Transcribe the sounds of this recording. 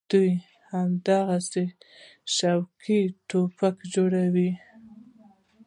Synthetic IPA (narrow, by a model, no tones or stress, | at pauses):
d̪̥uj | hamd̪aɣase | ʃawkʰiʈopakd͡ʒoɽawi